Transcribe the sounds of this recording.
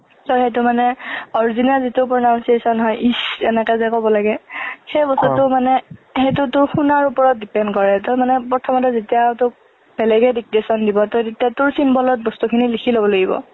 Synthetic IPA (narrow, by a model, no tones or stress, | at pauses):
sɔxejt̬ʊmanɛɔɹzinazitʊpɹɔnawnsiesɔnɦɔjʔisɛnɛkazakɔbɔlaɡɛxejbɔstutʊmanɛhet̬ʊtʊɹxunaɹupɔɹɔt̚dipɛndkɔɹɛtɔmanɛpɔtʰɔmɔtɛzetijatʊk̚ | b̥ɛlɛɡɛdik̚esɔndibɔtɔdetiatʊɹsimbɔlɔt̚bɔstukʰinilikʰilobɔlaɡibɔ̰